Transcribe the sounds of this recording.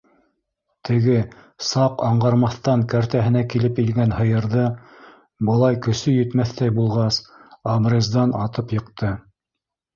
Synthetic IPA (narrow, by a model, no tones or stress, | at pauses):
t̪ʰɘ̆ɡɘ | sɑqɑɴɢɑɾmɑθt̪ɑŋkæɾt̪æɦɘ̆nækilɘpilɡænhɤ̆jɤ̆ɾðɤ | bɤ̆lˠɑjkɵ̆sɵjɵ̆t̪mæθt̪æjbulˠʁɑsɑbrʲezd̪ɑnɑt̪ɤpjɤ̆qt̪ʰɤ